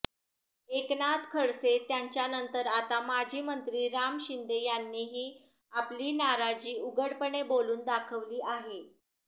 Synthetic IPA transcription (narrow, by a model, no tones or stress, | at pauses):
eknat̪kʰəɭset̪jaɲt͡ɕjanənt̪əɾat̪amad͡ʑʱiːmənt̪ɾiːɾamɕind̪ejanːiɦiː | apliːnaɾad͡ʑiːuɡəɽpəɳeboluːnd̪akʰəʋliːʔaɦe